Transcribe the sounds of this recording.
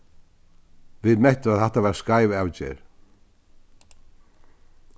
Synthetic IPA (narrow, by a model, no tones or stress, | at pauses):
vɪðmeht̪ʏaðθɛht̪avaɾaskaːjvɪawt͡ɕɛ̰ɾ̥